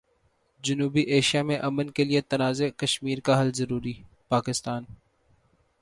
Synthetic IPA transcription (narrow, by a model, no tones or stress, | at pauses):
d͡ʒɐnuːbiʔeːʃijamẽʔɐmənkeliet̪ɐnaːzekɐʃmiːɾkaɦɐlzɐɾuːɾi | paːkɪst̪aːn